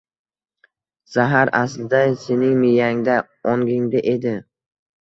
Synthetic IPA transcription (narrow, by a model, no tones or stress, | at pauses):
saɦaɾaslɪd̪ase̞nɪŋmɪjaŋd̪a | ɒŋɡʲɪŋd̪aʔe̞d̪ɪ